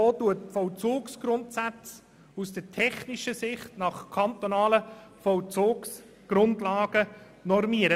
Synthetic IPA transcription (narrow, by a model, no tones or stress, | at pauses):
oːtuət̚fɔwt͡suːksɡ̥ɾʊntsæt͡s | usd̥ətʰɛχniʃəsɪχtnɑχkʰɑntonɑːləfɔlt͡soːks | ɡ̥rʊndlɑːɡ̥ə | nɔɾmiəɾə